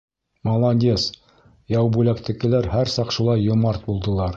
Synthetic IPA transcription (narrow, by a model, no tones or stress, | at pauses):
molˠɑnʲdʲes | jɑwbʉlækt̪ɘ̆kɘ̆læɾhæɾsɑqʃulˠɑjːŏmɑɾt̪̚bulˠd̪ɤ̆lˠɑɾ